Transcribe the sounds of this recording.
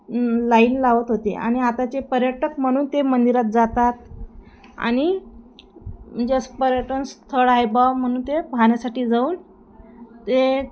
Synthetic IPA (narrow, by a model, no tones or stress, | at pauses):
laiːnlaʋət̪ɦot̪ḛʔa̰ɽ̃iat̪at͡ɕepəɾjəʈəkm̤əɽ̃uːnt̪emənd̪iɾat̪̚d͡zat̪at̪ | a̰ɽ̃i | d͡ʑəspəɾjəʈənst̪ʰəɽajbam̤əɽ̃uːnt̪epaɳjasaʈiːd͡zauːn | t̪e